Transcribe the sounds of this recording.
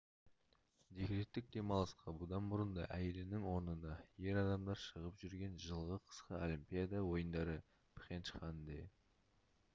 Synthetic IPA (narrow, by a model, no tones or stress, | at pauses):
d̪ekʲɾet̪ːɪk̚d̪e̞mɑlˠɑsqʰɑbʊd̪ɑnbʊɾənd̪ɑʔæje̞lɪnɪŋwo̞ɾnənd̪ɑje̞ɾɑd̪ɑmd̪ɑɾʃəʁəpʒʏɾɡʲe̞nʒəlˠʁəqʰə̥sqəolimpʲijad̪ɑwo̞jənd̪ɑɾə | pʰχʲenʃχɑnd̪e